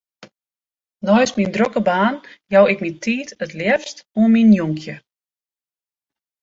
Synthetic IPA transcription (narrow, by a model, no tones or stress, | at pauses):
nɔjsmindrokəbaːnjawɪkmitʰiːtətljɛfstuənminjuŋkʰjə